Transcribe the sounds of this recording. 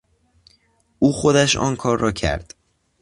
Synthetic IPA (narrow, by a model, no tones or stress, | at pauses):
ʔuːxo̞d̪æʃɒ̰ːnkʰɒːɾːɒːcʰæ̰ɾd̪̥